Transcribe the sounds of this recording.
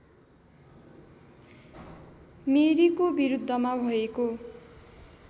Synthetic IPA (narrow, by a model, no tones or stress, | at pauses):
meɾikobiɾud̪ʱːʌmabʱʌeko